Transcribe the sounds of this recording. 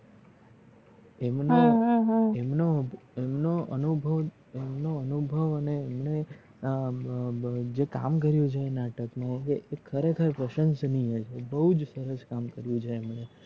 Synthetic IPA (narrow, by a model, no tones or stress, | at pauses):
emnoɦɦemnoemnoʔənubʱəʋ | emnoənubʱəʋəneːmne | d͡ʒeka̰mkəɾjũd͡ʒʰeenaʈəkmãekeʔekʰəɾekʰəɾpɾəʃənsniɦet͡ʃʰebəɦud͡ʒsəɾəskamkəɾjũt͡ʃʰeːmɳe